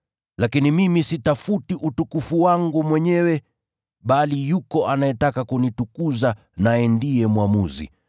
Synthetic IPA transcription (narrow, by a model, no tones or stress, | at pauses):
lakinimimisitafutiʔutukufuwaŋɡumwɛɲɛwɛ | ɓalijukɔʔanajɛtakakunitukuza | najɛndiɛmwamuzḭ